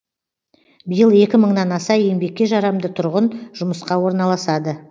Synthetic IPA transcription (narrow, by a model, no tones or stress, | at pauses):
bəjəlˠe̞kʲɪməɴnɑnɑsɑembe̞k̚ʲːe̞ʒɑɾɑmd̪ət̪ʰʊɾʁənʒ̥ʊməsqɑwo̞ɾnɑlˠɑsɑd̪ə